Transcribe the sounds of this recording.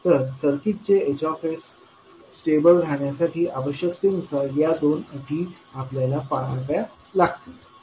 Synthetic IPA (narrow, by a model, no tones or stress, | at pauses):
t̪əɾsəɾkit̪̚t͡seet͡ɕɔfesː | ʈebəlɽʱaɳjasaʈiːʔaʋəɕjəkt̪imsajad̪onəʈ̪iː | apljalapaɭaʋja | laɡt̪e